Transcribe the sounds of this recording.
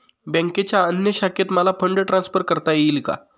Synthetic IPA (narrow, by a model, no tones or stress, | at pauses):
bə̃ŋket͡ɕjaənjəɕakʰet̪məlapʰəɳɖəʈɾãnsfəɾkəɾt̪ajelka̰